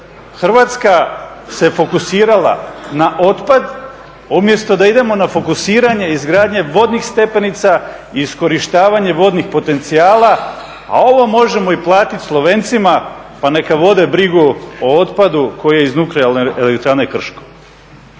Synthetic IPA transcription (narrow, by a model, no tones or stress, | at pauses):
xr̩ʋat̪ska | se̞fo̞kusiːɾala̰naʔo̞t̪pad̪ | umje̞st̪o̞d̪aid̪e̞mo̞nafo̞kusiːɾaɲe̞izɡɾaːd̪ɲe̞ʋo̞d̪nixst̪e̞pe̞nit̪sa | iːsko̞ɾiʃt̪aːʋaɲe̞ʋo̞d̪nixpo̞t̪e̞nt̪siaːla | a̰o̞ʋo̞mo̞ʒe̞mo̞iplˠaːt̪it̪ʲslˠo̞ʋeːnt̪sima | pane̞kaʋo̞d̪e̞bɾiɡuoo̞t̪pad̪uko̞jijeiznuklealneʔelekt̪ɾanekr̩ʃko